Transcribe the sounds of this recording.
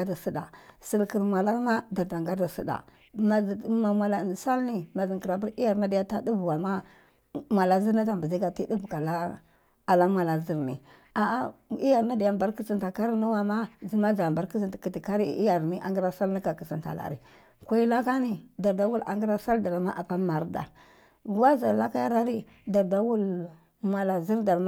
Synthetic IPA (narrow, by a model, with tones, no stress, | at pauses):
a˦da˨si˦da̰˨si˦lki˨ɾma˨la˦ɾma˦da˨ɾda˨ŋɡa˦da˨sḭ˦da̰˨ | ma˨˦ma˨mʷa˨la˨sa˦lni˦ma˨zi˨ŋki˨ɾa˨bi˦ɾi˦ja˨ɾna˦da˨ja˦ta˦du˦vwa˨ma˦ | ma˨la˦zi˦ɾna˦ta˨mbi˨zi˦ɡa˨ti˦di˦vka˨la˦ | a˨la˦mʷa˨la˨zi˦ɾni˨ | a˨a˦i˦ja˨ɾna˦di˨ja˨mba˦ɾki˦si˦nta˨ka˦ɾi˦nu˦wa˨ma˦d͡zi˦ma˦d͡ʒa˨ba˨ɾki˦s̬i˦ntki˨ti˨ka˦ɾi˦˨i˦ja˨ɾni˦ʔa̰˨ŋɡi˦ɾa˦sa˦lna˦ka˨ki˨si˨nta̰˨la̰˨ɾḭ˨ | kʷa˦i˦la˦ka˦ni˦da˨ɾda˦wu˦la̰˨ŋɡi˦ɾa˦sa˦lda˨ɾa˨ma˦ʔa˨pa˦ma˨ɾda̰˨ | wa˦za˨la˦ka˦ja˦ɾa˦ɾi˦ | da˨ɾda˦wu˦l | mʷa˨la˨zi˦ɾda˨lm